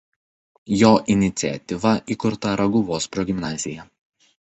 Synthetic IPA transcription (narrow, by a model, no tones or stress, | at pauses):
joːʔɪnʲɪt̪sʲɪɛ̰t̪ʲɪʋɐʔikʊɾt̪ɐɾɐɡʊʋoːspɾɔɡʲɪmnɑːzʲɪjɛ